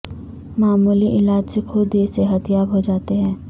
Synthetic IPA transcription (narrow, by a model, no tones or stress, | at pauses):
maːmuːliʔɪlaːd͡ʒsekʰʊd̪eseɦɐt̪jaːbɦod͡ʒaːt̪eɦɛ̃ː